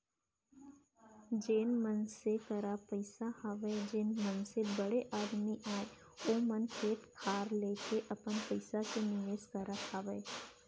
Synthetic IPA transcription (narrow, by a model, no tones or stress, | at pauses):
d͡ʒeːnmənsekəɾapəɪsahaʋeed͡ʒeːnmənsebəɽeʔaːd̪miʔaːe | oːmənkʰeːʈkʰaːɾleːkeʔɐpənpəɪsasenɪʋeːskəɾaaːʋə